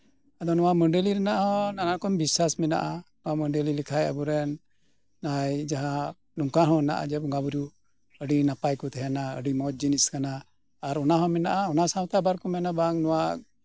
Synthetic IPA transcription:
ad̪ɔnɔwaməɳɖeliɾɛnaʔɦɔ̃nanakɔmbisasmɛna̰ʔanɔwaməɳɖelilikʰajə̰buɾɛnː | ajd͡ʒaɦa | nuŋkaɦɔ̃na̰ʔa̰d͡ʒɛbɡabuɾju | əɖinapajkut̪ɛɦɛnaə̰ɖimɔd͡ʒiniskanaː | ɾɔnaɦɔ̃mɛnaʔaɔnasãwt̪abaɾkɔmɛnabaŋnɔwa

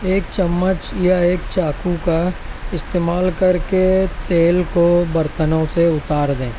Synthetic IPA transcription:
eːk̚t͡ʃɐmːət͡ʃjaeːkt͡ʃaːkukaɪst̪eːmaːlkɐɾket̪eːlkobɐɾt̪ənõseʊt̪aːɾd̪ẽː

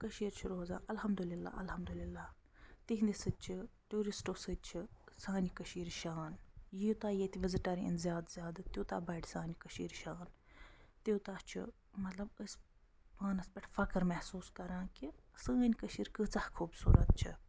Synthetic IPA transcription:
kɐʃiːɾt͡ʃʰiɾoːza̰ːʔɐlhɐmd̪ulilːa̰ːɐlhɐmd̪ulilːaː | t̪iɦnd̪isɨd̪̚t͡ʃʰiʈuːɾisʈoːsɨd̪̚t͡ʃʰisaːnʲikɐʃiːɾʃaːnjit̪aːjeːt̪iʋɐzʈɐɾiḭnzʲjaːd̪zjaːd̪ɨt̪juːt̪aːbɐʈʰʲsaːnʲikɐʃḭːɾʃaːn | t̪iːt̪aːt͡ʃʰḭ | mɐt̪lɐbəsʲ | paːnɐspɐʈʰfɐkɨɾmɛhsuːskɐɾãːkisaːnʲkɐʃiːɾkɨt͡sɐhkʰuːbsṵːɾɐt̪̚t͡ʃʰḭ

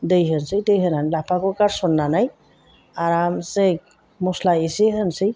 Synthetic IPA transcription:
dɯjɦɯnsɯjdɯjɦɯnanlapʰakɔkaɾsɔnːanaj | aɾamsek | mɔslaiseɦɯnsɯj

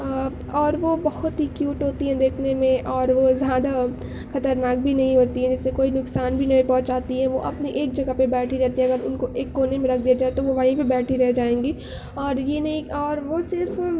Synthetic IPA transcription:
ɔːɾʋobɐhʊt̪ɦikjuːʈɦoːt̪iɦɛ̃d̪eːkʰnemẽʔɔːɾʋozjaːd̪a | xɐt̪əɾnaːk̚bʱinɐɦĩɦoːt̪iɦɛ̃d͡ʒɪsːekoːinʊksaːnbʱinɐɦĩpɔ̃ːt͡ʃaːt̪iɦɛʋoʔɐpneʔeːkd͡ʒɐɡəpebɛːʈʰiɾɛɦt̪iɦɛ̃ɐɡəɾʊnkoʔeːkːoːnemẽɾɐk̚ʰd̪iad͡ʒaːet̪oʋoʋaɦĩpebɛːʈʰiɾɐɦd͡ʒaːẽːŋɡiː | ɔːɾjenɐɦĩɔːɾʋosɪɾf

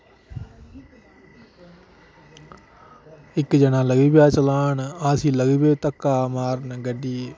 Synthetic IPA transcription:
ikːɨd͡ʒɐnalɐɡibjaːt͡ʃɐlaːnɨaːsilɐɡibeːt̪ɐkːaːmaːɾnɐɡɐɖi

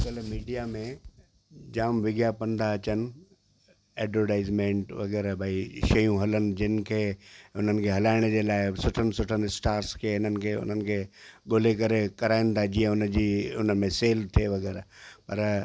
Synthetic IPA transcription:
kəlmiːɖijamẽ | d͡ʑaːmʋɪɡjapɐ̃nd̪aɐt͡ɕənɪ̆ | ɛːɖʋəɾʈaːɪzmẽːɳʈʋɐɡɛːɾbʱəiʃɐjũɦɐlənɪ̆d͡ʑɪnɪ̆kʰeːʊn̤ənɪ̆kʰeɦɐlaːɪɽ̃əd͡ʑeːlaːɪsʊʈʰənɪ̆sʊʈʰənsʈaːɾskʰeːɪn̤ənɪ̆kʰeːʊ̰n̤ənɪ̆kʰeːɠoːlekɐɾekɐɾaːɪn̆t̪ad͡ʑĩːə̃ʊnəd͡ʑiːʊnəmẽseːlt̪ʰieʋɐɡɛːɾpɐɾ

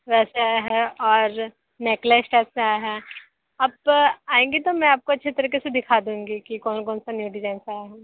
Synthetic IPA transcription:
ʋɛːsaɦɛɔːɾ | neklesʈɛːsaaːjɦɛ | ɐbaːẽːŋɡit̪omɛ̃aːp̚koɐtːʃʰet̪ɐɾiːkesed̪ɪkʰaːd̪ũːŋɡikikɔːnkɔːnsanjuːɖɪzaːɪnsaːjaɦɛ

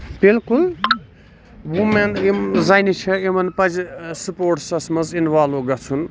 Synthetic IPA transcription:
bilkul | wumenimzajnit͡ʃʰɐimɐnpɐd͡ʒsupoːɾʈsɐsmɐzinʋaːloːɡɐt͡sʰun

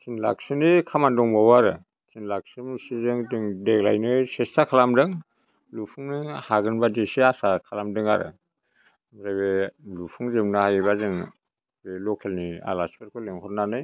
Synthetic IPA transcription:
tʰinla̰k̚sɯnikʰamandɔŋbawaɾɯ | sʰinlak̚sɯmsizɯŋdɯŋdeɡla̰jnɯsestʰakʰalamdɯŋ | lupʰuŋnɯhaɡɯnbadisiasakʰalamdɯŋa̰ɾɯ̰ | zaβelupʰuŋzɯmnɯhajbazɯŋ | belɔkʰelnia̰laspeɾkʰɯleŋhʰɔt̚nanɯj

